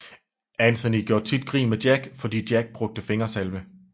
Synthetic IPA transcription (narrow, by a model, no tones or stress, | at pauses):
ænθʰɐniɡ̥jo̝ɐ̰̥t͡sʰid̥ɡ̥ʁḭːmed̥jæɡ̥fɒ̽d̥ḭːd̥jæɡ̥̚b̥ʁɔ̽ɡ̥̚d̥əfe̝ŋɐsælʋə